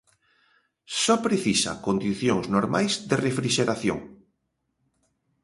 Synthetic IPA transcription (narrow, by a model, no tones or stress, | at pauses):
sɔpɾeθisa̰kond̪iθjoŋznoɾmajzðerefɾiʃeɾaθjo̰ŋ